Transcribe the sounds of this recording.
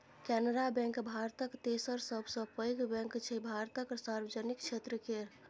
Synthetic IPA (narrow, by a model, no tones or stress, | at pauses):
kɛnəɾabɛ̃ŋkbʱaɾt̪əkt̪esəɾsəbʱsə̃pəjɡbɛ̃ŋkt͡ʃʰɛbʱaɾt̪əkɾsaɾbəd͡ʒənikt͡ʃʰet̪ɾəkeɾ